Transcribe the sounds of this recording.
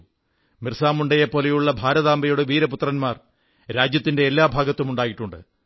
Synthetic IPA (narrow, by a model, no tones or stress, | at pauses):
mirsaːmuɳɖɐjɐpo̞ːlɐjuɭːɐbʱaːɾɐðaːmbɐjoɽeʋiːɾɐput̪rɐnmaːr | ɾaːd͡ʑjɐt̪ːinde̞ːlːaːbʱaːɡɐt̪ːumuɳɖaːjiʈːuɳɖɨ̰